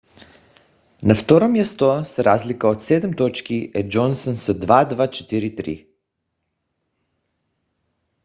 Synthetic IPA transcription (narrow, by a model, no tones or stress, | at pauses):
naft̪ɔɾomjast̪osɾazlikəot̪sɛd̪ɛmt̪ɔt͡ʃkiʔɛd͡ʒɔnsənsəd̪vad̪vat͡ʃɛ̥t̪iɾit̪ɾḭ